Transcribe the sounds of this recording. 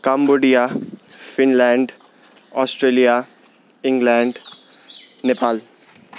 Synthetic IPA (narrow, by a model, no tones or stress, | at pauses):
kamboːɖijafɪnlɛ̃ːɳɖ | ɔːsʈɾeːlija | ɪ̃ŋɡlɛ̃ːɳɖ | nepaːl